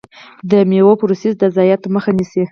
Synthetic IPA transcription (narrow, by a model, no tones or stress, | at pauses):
d̪əmewopɾusizd̪əzɑjat̪məxanisi